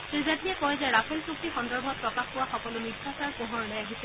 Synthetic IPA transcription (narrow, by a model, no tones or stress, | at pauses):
sɹizatiɛkɔjzɛɹapʰɛlsuk̚tixɔndɔɹbʱɔt̚pɹɔkaxpʊwaxɔkɔlʊniasaɹpoɦɔɹɔnɛjaɦisɛ